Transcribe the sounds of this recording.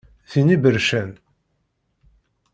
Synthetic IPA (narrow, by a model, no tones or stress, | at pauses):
θinibəɾʃæn